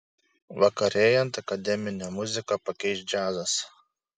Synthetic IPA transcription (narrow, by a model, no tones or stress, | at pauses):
ʋɐkɐɾʲeːjɛnt̪ɐkɐd̪ʲɛmʲɪnʲɛmʊzʲɪkɐpɐkʲɛɪʃʲd͡ʒʲæːzɐs